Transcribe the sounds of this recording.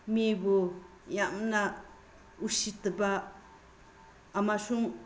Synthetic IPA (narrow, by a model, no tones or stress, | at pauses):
mebo | jamna | usit̪əba | masuŋ